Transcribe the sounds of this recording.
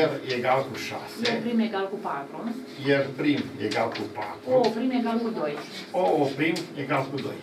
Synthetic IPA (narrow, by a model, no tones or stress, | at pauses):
ɛɾjɛɡalkuʃa̰sɛpɾimɛɡalkupat̪ɾon | jɛɾpɾimjɛɡalkupa̰t̪ɾopɾimɛɡalkud̪oj | oopɾimjɛɡalkud̪oj